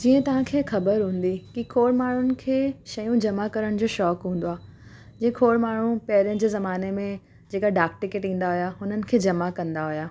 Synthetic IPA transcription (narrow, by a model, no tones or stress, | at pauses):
d͡ʑiːə̃t̪ɐʋ̤ãkʰeːxɐbəɾɦũːn̆d̪ikikʰoːɽmaːɳ̤ʊnɪ̆kʰeːʃɐjũd͡ʑɐmakɐɾəɽ̃d͡ʑoːʃɔːkɦũːnd̪oaː | d͡ʑẽːkʰoːɽmaːɳ̤ũpɛɦɾjəñɪd͡ʑeːzɐmaːnemẽ | d͡ʑeːkaɖaːk̚ʈɪkeʈĩːn̆d̪aɦʊjaɦʊn̤ənɪ̆kʰeːd͡ʑɐmakɐ̃nd̪aɦʊjaː